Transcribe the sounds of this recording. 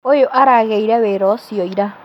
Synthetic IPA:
ojoʔaɾaɣeiɾɛβɛɾɔsiɔiɾa

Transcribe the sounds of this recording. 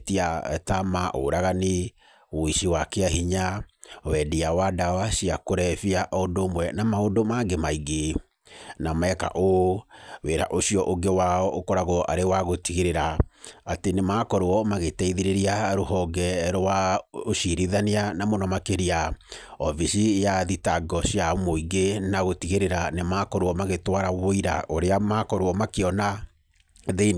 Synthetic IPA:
tia̰tamaʔo̰ɾaɣani | oiʃiwakeaɦiɲawɛdiawadawaʃiakoɾɛfiaʔɔndomwɛnamaondomaɡemaiɡe | namaɛka̰ʔo | weɾa̰ʔoɕiɔʔoɡewaɔʔokɔɾaɣɔʔa̰ɾewaɣotiɣiɾeɾaatenemaːkɔɾoɔmaɣetɛiðiɾeɾiaɾohɔɡɛɾowaoʃiɾiðaneanamonɔmakeɾiaɔviʃijaðitaɡɔɕiamoiɡenaɣotiɣeɾeɾanemaːkɔɾwɔmaɣetwaɾawoiɾa̰ʔoɾeamakɔɾoɔmakeɔna | ðen

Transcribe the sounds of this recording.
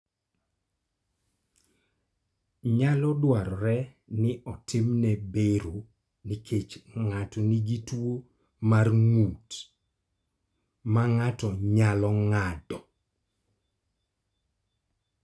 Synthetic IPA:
ɲalɔdwaɾɔɾɛ | nɪʔɔtɪmnɛbeɾu | nikʰet͡ʃŋatɔniɡitwo | marŋut | maŋatɔɲalɔŋadɔ

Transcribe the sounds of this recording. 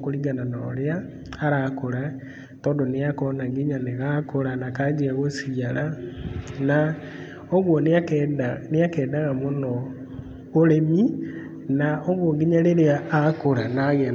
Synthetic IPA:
koɾiɡanano̰ɾeaː | ɾakoɾa | tɔːndoneakɔnaŋɡiɲaneɣakoɾanakad͡ʒiaɣosiaɾa | na | oɣwonakːdneakɛːdaɣamonɔ | oɾemi | naoɣwoŋɡiɲaleɾeaːkoɾanaɣɛn

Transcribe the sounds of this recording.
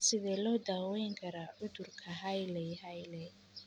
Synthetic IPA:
sɪðɛːlɔːd̪aːwɛjŋkʰɐɾaʔʊðʊrkʰɐɦɐjlɛjhɐjlɛ

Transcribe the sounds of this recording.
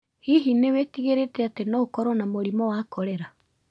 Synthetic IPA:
hiɦinewetiɣeɾetɛatenɔokɔɾɔnamoɾimɔwaːkɔɾɛɾa

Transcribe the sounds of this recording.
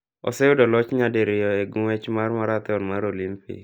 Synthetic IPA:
ɔ̰sɛʊdɔlɔt͡ʃɲadeɾɪjɔeɡʊwɛt͡ʃmarmaɾat̪ɪɔnmaɾolimpḭk

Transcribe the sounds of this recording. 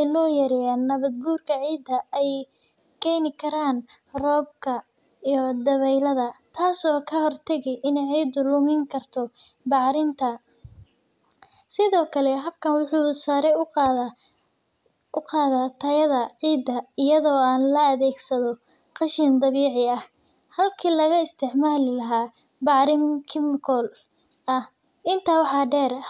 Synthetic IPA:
ɛjlɔːjɐɾɛjaːnːɐβɐd̪̚buːrkʰɐʕiːd̪ɐɛj | kʰɛjnɪkʰɐɾaːn | rɔːb̚kʰɐ | ijɔd̪ɐβɛjlɐðɐt̪ʰaːsɔːkʰɐhɔrt̪ʰɐɣɛjʔɪnɛjʕiːd̪ʊlʊmɪŋkʰɐrt̪ʰɔ | bɑʕɾɪnt̪ʰɐ | sɪðɔːkʰɐlɛɦɐb̚kʰɐnwʊħuːsaːɾɛ | ʊqɑːðat̪ʰɐjɐðɐʕiːd̪ɐɪjɐðɔːaːnlɐːðɛːɡsɐðɔ | qɑʃɪnd̪ɑβiːʕɪɐh | hɐlkʰiːlɐɣɐɪst̪ʰɪʕmaːlɪlɐɦaː | bɑʕɾɪmkʰɪmɪkʰɔl | ɐh | ɪnt̪ʰaːwɑħɑːɖɛːɾɐ

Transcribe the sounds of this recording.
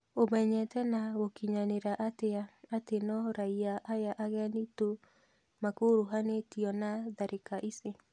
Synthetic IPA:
omɛɲɛtɛnaɣokiɲaneɾaʔateaːtenɔɾaiaʔajaʔaɣɛnito | makoɾoɦanetiɔnaðaɾʔekaʔise

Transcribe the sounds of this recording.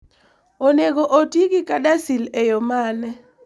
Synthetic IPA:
oneɡoʔotiɡɪkadasilejɔmanɛ

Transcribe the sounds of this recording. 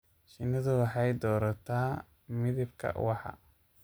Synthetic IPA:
ʃɪnɐðʊwɑħɑjd̪ɔːɾɐt̪ʰaː | mɪðɪbkʰɐ̰wɑħɑ̰

